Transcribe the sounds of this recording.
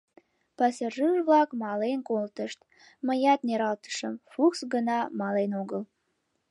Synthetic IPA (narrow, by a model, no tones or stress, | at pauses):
pɑsəʒɯʒβlɑkmɑlenkolt̪əʃt̪̚ | məjɑt̪neɾɑlt̪ə̥ʃəmfuksɡənɑmɑlenoɡəl